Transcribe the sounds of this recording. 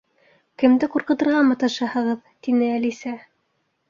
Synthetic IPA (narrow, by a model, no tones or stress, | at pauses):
kɘ̆md̪ɘqŭɾqɤ̆t̪ɤ̆ɾʁɑmɑt̪ɑʃɑhɤ̆ʁɤðt̪inɘælisæ